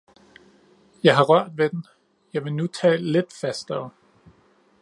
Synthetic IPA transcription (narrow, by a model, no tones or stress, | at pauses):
jɑ̈ɪɦɑ̈ʁɶɐ̰d̥ʋed̥en̩ | jɑ̈ɪʋe̝nut͡sʰɛ̰ːlle̝d̥fæsd̥ɒʊ